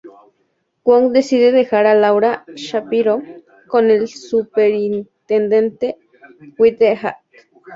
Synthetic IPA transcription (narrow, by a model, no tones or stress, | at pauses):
kʷaŋd̪esiðeðexaɾalawɾaʃapiɾo | konelsupeɾint̪end̪ent̪e | wit̪eɦa̰ʔk